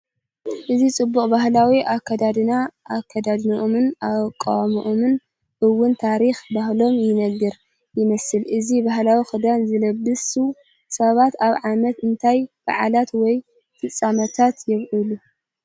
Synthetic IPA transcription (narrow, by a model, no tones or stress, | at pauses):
ʔɨzit͡sʼɨbːuχʼbahlawiʔakʰːɐd̪ad̪ɨnaːkʰːɐd̪ad̪niʔomɨnakʼːa̰wamiʔomɨn | ʔɨwːʊnt̪ʰaɾixbahlo̞mjɪnɐɡɨɾ | jɪmɐsɨlʔɨzibahlawixɨd̪anzɨlɐbːɨsu | sɐβat̪aβʕamɐt̪ɨnt̪ʰajb̥a̰ʕalat̪wɔj | t̪ʰɨt͡sʼamɐt̪ʰat̪jɛβʔulu